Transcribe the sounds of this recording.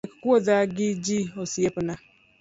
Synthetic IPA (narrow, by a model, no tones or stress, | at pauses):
kkuoðaɡɪd͡ʒiosiepʊna